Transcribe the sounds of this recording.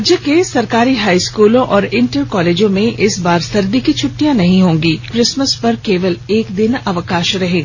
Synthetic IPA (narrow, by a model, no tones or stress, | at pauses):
d͡ʒjəkesɐɾkaːɾiɦaːiskuːlõʔɔːɾɪ̃ɳʈəɾkɔːleːd͡ʒõmẽʔɪsbaːɾsɐɾd̪ikit͡ʃʰʊʈːijãnɐɦĩɦõːŋɡiːkɾɪsməspɐɾkeːʋəleːkd̪ɪnɐʋəkaːʃɾɐɦẽː